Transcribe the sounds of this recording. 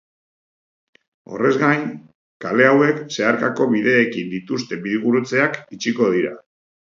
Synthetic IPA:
o̞̰re̞zɣaj | kale̞awe̞kse̞aɾkako̞βiðe̞ːkind̪it̪ust̪e̞biðiɣuɾut͡se̞akit͡ʃiko̞ð̞iɾa̰

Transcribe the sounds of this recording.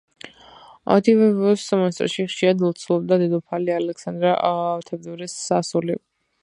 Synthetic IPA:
a̰t̪ʰivɛvɔsmɛnst̪ʼɾʃiχʃiɾad̪ɛlˠt̪sʰlˠɔbd̪ad̪ɛd̪ɔpʰalialɛksand̪ɾaʔt̪ʰɛvd̪ɔɾɛsːasuli

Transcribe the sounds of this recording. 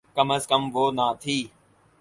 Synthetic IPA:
kəməzkəmʋoːnãːt̪ʰiː

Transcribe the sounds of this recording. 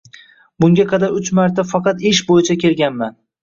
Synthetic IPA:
bʊŋɡʲaqʰɑd̪aɾʊt͡ʃmaɾt̪ʰafɑqɑt̪ɪʃbojɪt͡ʃʰakʲʰe̞lɡʲanman

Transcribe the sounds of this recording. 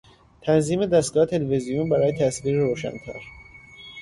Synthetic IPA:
t̪ʰænziːme̞d̪æst̪ɡɒːet̪ʰe̞levezijunbæɾɒːjet̪ʰæsviːɾeɾoːʃæ̰nt̪ʰæ̰ɾ

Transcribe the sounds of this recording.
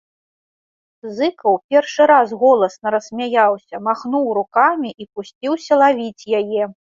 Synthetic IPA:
zɨkɐwpʲɛrʂɨɾazɣɔlˠɐsnɐɾɐsʲmʲajawsʲɐmaxnuwɾukamʲiʔipusʲt͡sʲiwsʲɐlˠavʲit͡sʲjajɛ

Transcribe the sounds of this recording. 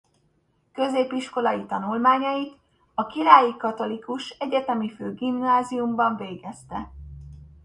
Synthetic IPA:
kø̞zeːpiʃko̞lɒjit̪ɒnulmaːɲɒjit̪ | ɒkilaːjikɒt̪o̞likuʃɛɟɛt̪ɛmiføːɡimnaːzijumbɒɱveːɡɛst̪ɛ

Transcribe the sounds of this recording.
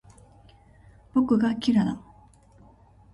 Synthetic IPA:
pokɯɡakʰʲiɾad̪a̰ŋ

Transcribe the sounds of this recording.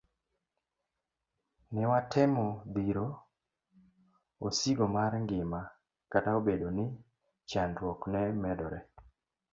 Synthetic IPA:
nɪwatʰɪmɔd̪iɾo | osiɡomaɾŋɡɪma | kataobedonɪ | t͡ʃandwɔknɛmɛdɔɾɛ

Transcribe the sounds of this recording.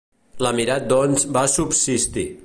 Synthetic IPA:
ləmiɾat̪̚d̪ɔnzbasupsist̪i

